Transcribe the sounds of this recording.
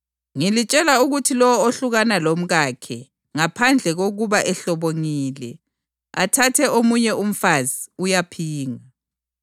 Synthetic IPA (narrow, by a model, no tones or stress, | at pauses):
ŋilit͡ʃʼɛlauɣutʰilɔwɔoɬuɣanalom̩ɣakʰɛ | ŋapʰand͡ɮʱɛɣoɣuβaʔɛɬɔβoŋiːlɛ | atʰatʰɛʔomuɲɛʔum̩faziujapʰiːŋa